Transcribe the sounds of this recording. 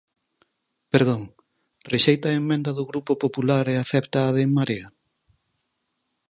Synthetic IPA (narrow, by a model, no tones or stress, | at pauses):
peɾðoŋ | reʃejt̪ɐemːẽnd̪ɐðʊɣɾupopopulaɾeaθɛpt̪ɐːðeŋmaɾiɐ